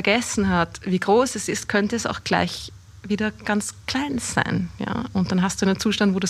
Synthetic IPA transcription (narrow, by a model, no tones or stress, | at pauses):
ɐɡɛsn̩ɦatviːɡʁoːsɛsɪstkʰœntəɛsa̰ʊxɡ̥la̰ɪç | viːdɐɡ̥ant͡skʰl̥aɪnz̥a̰ɪnja̰ːʊnt̚d̥anɦastd̥uːnent͡suːʃtantvoːdu